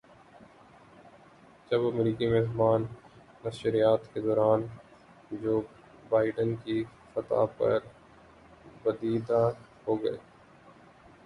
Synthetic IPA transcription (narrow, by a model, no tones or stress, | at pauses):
d͡ʒɐbɐmɾiːkimɛɦbaːnː | ɐʃɾijaːt̪ked̪ɔːɾaːn | d͡ʒoː | baːɪɖənkifɐt̪a̰pɐ̰ɾ | bɐd̪iːd̪ã | hoːɡɐeː